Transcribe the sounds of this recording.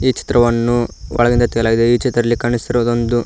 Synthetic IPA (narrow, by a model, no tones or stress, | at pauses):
iːt͡ʃi̥t̪ɾɐʋɐnːuʋɔ̰ɭɐɡind̪ɐt̪ɛɡɐlaːɡid̪eiːt͡ʃit̪ɾɐdɐlːikaːɳisiɾoːd̪o̞nd̪u